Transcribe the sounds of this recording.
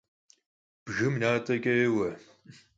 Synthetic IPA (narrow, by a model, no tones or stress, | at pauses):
b̥ʒɨmnaːtʼɐkʲʼɐewɐ